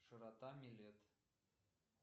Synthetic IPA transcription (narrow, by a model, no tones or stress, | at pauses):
ʃɤɾɑt̪ɑmʲilʲet̪